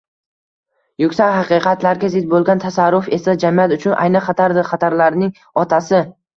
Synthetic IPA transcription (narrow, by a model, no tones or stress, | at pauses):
jʊkʲsakhɑqɨqʰɑt̪laɾɡʲazɪt̪̚bolˠɡʲant̪ʰasaɾːʊfe̞sad͡ʒamɪjat̪ʊt͡ʃʰʊnʔa̰jnɪχɑt̪ʰaɾd̪ɪχɑt̪ʰaɾlaɾnɪŋ | ɒt̪ʰasɪ